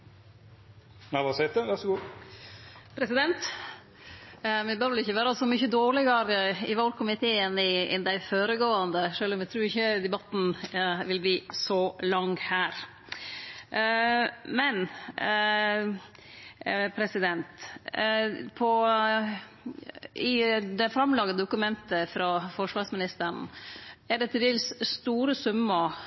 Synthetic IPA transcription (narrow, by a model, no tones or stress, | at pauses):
næʋɑːsɛt̪əʋæɾʂɔɡuː | pʰɾɛsɪd̪ɛnt̪ | mɛbøːɾʋɪlɪçːəʋæːɾɑsɔmʏçəd̪oːɭɪɡɑɾɪʋɑlkʊmɪt̪ʰeːənɪɛ̰nd̪æɪfoːɾəɡoːɑnd̪əʂøːlɔmjɛt̪ʰɾuːɾɪçːəd̪ɛbɑt̪n̩ʋɪlbliːsɔlɑŋhæːɾ | mɛn | pʰɾɛsɪd̪ɛnt̪ | pʰɔ | ɪd̪ɛfɾɑmlɑɡ̪əd̪ʊkʉmɛnt̪əfɾɑfɔʂʋɑːsmɪnɪst̪əɳ̩ | æɖɛt̪ʰɪld̪eːlsst̪uːɾəsʉmːə